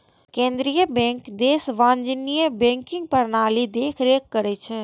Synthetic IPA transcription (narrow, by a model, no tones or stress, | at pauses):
kẽːnd̪ɾijəbẽːŋkd̪eːsʋãːɲd͡ʒnijəbẽːŋkɪ̃ŋɡ̚pɐɾnaːlid̪eːkʰɾeːkːɐɾet͡ʃʰe